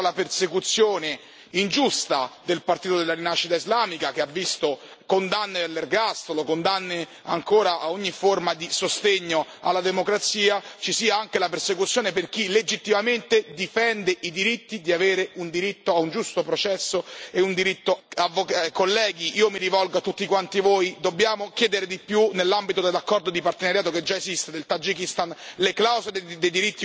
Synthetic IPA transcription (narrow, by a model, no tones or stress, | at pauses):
lapersekut̪sːjoːne | ind͡ʒust̪a̰d̪elpart̪iːt̪od̪elːaɾinaʃːit̪aizlaːmikak̟eavːist̪o | kond̪anːeelːerɡast̪olokond̪anːe | a̰ŋkoːɾaʔaoɲːiformad̪isost̪eɲːoa̰lːad̪emokɾat̪siːat͡ʃisiːaaŋkelapersekut̪sːjoːneperk̟iled͡ʒit̪ːimament̪ed̪ifɛnd̪eʔid̪iɾit̪ːid̪iaveːɾeund̪iɾit̪ːoaund͡ʒust̪opɾot͡ʃɛsːoeund̪iɾit̪ːoavokakolːɛːɡiʔiːomiɾivɔlɡat̪ːut̪ːikwant̪ivoːjd̪obːjaːmok̟jɛːd̪eɾed̪ipːjunelːambit̪od̪elːakːɔrd̪od̪ipart̪enaɾjaːt̪oked͡ʒːaezist̪ed̪elt̪ad͡ʒikist̪anleklawzeled̪ejd̪iɾit̪ːi